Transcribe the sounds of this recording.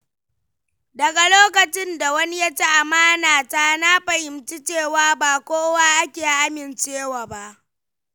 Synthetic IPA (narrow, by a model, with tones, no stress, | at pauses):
dɐ˨ɡa˨loː˦kɐ˨t͡ʃɪ˦nda˨wɐ˦ni˦ja˦t͡ʃe˦ʔa˨maː˦naː˨taː˦na˦ɸɐ˨hɪ˨mt͡ʃi˦t͡ʃeː˦˨waː˦baː˨kʷoː˦wa˦ʔa˦kʲeː˨ʔa˦mɪ˨nt͡ʃeː˦waː˨ba˦ʔ